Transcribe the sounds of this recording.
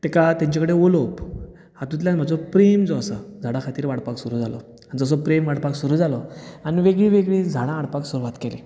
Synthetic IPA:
t̪ɛkat̪jãɲt͡ɕakəɽeolop | hat̪ũt̪ljanm̤ad͡zɔpɾemd͡zɔəsəd͡zʱaɽãkʰat̪iːɾʋaɽpaksuɾuːd͡zʱalɔ̰ | anid͡zəs̬ɔpɾemʋaɽpaksuɾuːd͡zalɔaniʋeɡɭiʋeɡɭid͡zʱaɽãːɽpaksuɾuʋat̪kelḛ

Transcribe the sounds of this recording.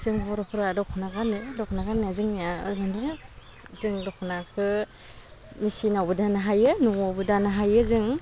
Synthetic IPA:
zɯŋbɔɾɔkʰuɾadɔkʰɔnaɡanɯdɔkʰnaɡanɯzɯŋnijaɡandaɾ | zɯŋdɔkʰɔnakʰɯ | misinawbɯdanɯɦajɯnuŋabɯdanɯɦajɯzɯŋ

